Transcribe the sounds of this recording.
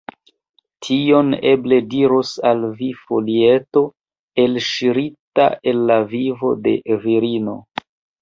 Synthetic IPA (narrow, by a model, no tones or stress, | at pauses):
tʰio̞ne̞ble̞diɾosalvifo̞lie̞to̞ | e̞lʃiɾita̰ʔe̞nːavivo̞̰de̞̰viɾino̞̰